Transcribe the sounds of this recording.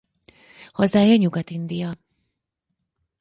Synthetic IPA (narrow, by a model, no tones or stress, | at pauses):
hɒzaːjɒɲuɡɒt̪ind̪ijɒ